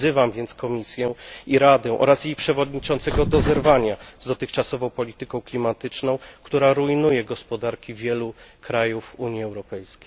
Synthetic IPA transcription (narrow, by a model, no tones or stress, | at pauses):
ɘvamvʲjɛnt̪skɔmʲisʲjɛiɾad̪ɛʔɔ̰ɾasjejpʂɛvɔd̪ɲit͡ʂɔ̃nt̪sɛɡɔd̪ɔzɛɾvaɲazd̪ɔt̪ɘxt͡ʂasɔvɔ̃w̃pɔlʲit̪ɘkɔ̃w̃klʲimat̪ɘt͡ʂnɔ̃w̃kt̪uɾaɾuinujɛɡɔspɔd̪aɾkʲivʲjɛlukɾajufuɲiɛwɾɔpɛjskʲej